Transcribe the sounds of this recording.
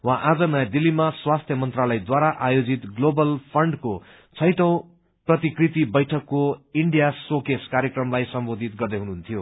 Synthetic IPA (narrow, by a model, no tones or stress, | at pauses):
wãʔad͡zʌnʌjad̪ilːimaswast̪ʰjʌmʌnt̪ralʌjd̪waɾaʔajod͡zit̪ɡlobʌlpʰʌɳɖko | t͡sʰʌjʈʌw̃ | prʌt̪ikrit̪ibʌjʈʰʌkːoiɳɖijasokeskaɾjekrʌmlajsʌmbod̪ʱit̪̚ɡʌrd̪eɦunuɦunt̪ʰijo